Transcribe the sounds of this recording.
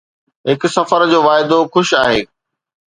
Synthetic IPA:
ɦɪkʊsɐfəɾd͡ʑoːʋaːɪd̪oxʊʃaːɦeː

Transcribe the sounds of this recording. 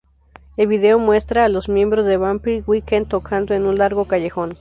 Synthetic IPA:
e̞lβið̞e̞omwe̞st̪ɾaːlo̞zmjẽ̞mbɾo̞zðe̞βampiɾwikent̪okʰand̪oenunlaɾɣo̞kaʝexo̞n

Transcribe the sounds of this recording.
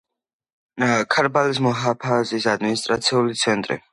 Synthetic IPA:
kʰaɾbalis̬mɔɦapʰazisad̪minist̪ʼɾat̪sʰiulit̪sʰɛnt̪ʼɾḭ

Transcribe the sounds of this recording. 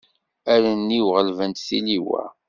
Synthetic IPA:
æɾənːiwʁəlvənt̪θiliwæ̰

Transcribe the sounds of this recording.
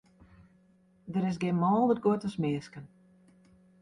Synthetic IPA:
dəɾɪs̬ɡɪnmɔːlˠətd̚ɡuətəsmɪːskən

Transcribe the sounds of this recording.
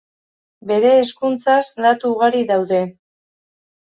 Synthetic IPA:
be̞ɾe̞ːskunt͡saslat̪uːɣ̞aɾiðawðe̞

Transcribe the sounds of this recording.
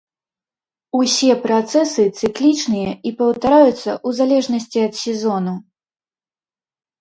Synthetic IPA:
usʲɛpɾat̪sɛsɨt̪sɨklʲit͡ʂnɨjɐipɐwt̪aɾajut̪sːɐ̰ʔuzalʲɛʐnɐsʲt͡sʲiɐt̪sʲɛzɔnu

